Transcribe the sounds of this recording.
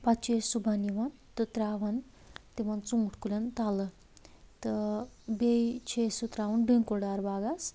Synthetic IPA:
pat͡ʃesubʱaniʋɐnt̪ɨt̪ɾaːʋɐn | t̪iʋɐnt͡suŋʈʰkulʲɐnt̪alə | t̪əbejt͡ʃʰesut̪ɾaʋɐnɖiŋkoɖaɾbaːɡas

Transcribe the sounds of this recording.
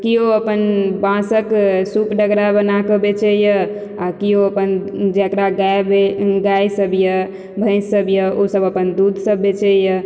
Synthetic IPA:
kioəpənbãsəksupɖəɡɾabənakəbet͡ʃʰɛjə | akioəpənd͡ʒekɾaɡabeɡajsəbjə | bʱə̃ɪsːəbjəosəbəpənd̪ud̪ʱsəbːet͡ʃʰɛjə

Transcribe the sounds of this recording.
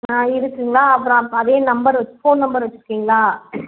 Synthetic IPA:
nãːɪɾɯkːiːŋɡɐɭlaːɐpːɯɾõɐðeːnɐmbɐɾʋɐt͡ʃːɯfoːnnɐmbɐɾʋɐt͡ʃːɪɾɯkːiːŋɡɐɭaː

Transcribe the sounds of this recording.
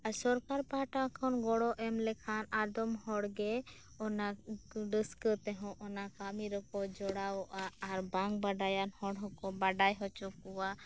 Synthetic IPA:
asɔɾkaɾpaʈakʰanɡɔɽɔʔɛmlɛkʰanad̪ɔmhɔɽɡɛ | ɔnaɖəskət̪ɛɦɔ̃ʔɔnakamiɾɔkɔd͡ʒɔɽawʔaːɾbaŋɡbaɖajanhɔɽɦɔkɔbaɖajɦɔt͡ʃɔkɔwa

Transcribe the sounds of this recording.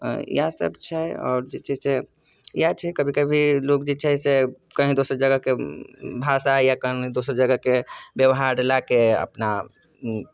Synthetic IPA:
jasə̰bt͡ʃʰɛɔ̰ːɾd͡ʒit͡ʃəse | jat͡ʃʰɛkəbʱikəbʱilokd͡ʒit͡ʃʰaɦse | kəɦĩd̪oːsəɾd͡ʒəɡəkebʱasajakəɦĩd̪osəɾd͡ʒəɡəkebjəʋɦaɾɾelakeə̰pna

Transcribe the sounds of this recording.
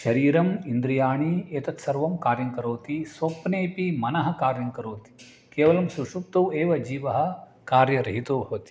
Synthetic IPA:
ʃɐɾiːɾɐmind̪ɾijaːɳieːt̪ɐt̪sɐɾʋɐmkaːɾjɐŋkɐɾoːt̪isʋɐpneːpimɐnɐɦɐ̆kaːɾjɐŋkɐɾoːt̪i̥ | keːʋɐlɐmsuʃup̚t̪oweːʋɐd͡ʒiːʋɐɦɐ̆ | kaːɾjɐɾɐɦit̪oːbʱɐʋɐt̪i̥

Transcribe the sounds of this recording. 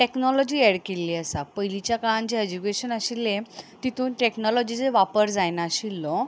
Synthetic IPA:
ʈeknɔlɔd͡ʑiːɛɽkelːiəsapəɦjlit͡ɕjakaɭãɲt͡ɕeed͡ʑukeɕənaɕilːẽt̪it̪ʰuːnʈeknɔlɔd͡ʑid͡zeʋapəɾd͡zajnaɕilːɔ

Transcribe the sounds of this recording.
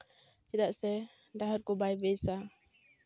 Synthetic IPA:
t͡ʃɛd̪aʔsɛ | ɖaɦɔɾkɔbajbɛjsa

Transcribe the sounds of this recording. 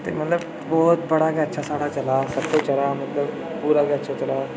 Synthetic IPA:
t̪ḛmɐt̪ləb | bɔːt̪̚bɐɽaɡeɐtːʃʰasaːɽat͡ʃɐlaːsɐɾkot͡ʃɐlaːmɐt̪ləb | puːɾaɡeɐtːʃʰat͡ʃɐlaː

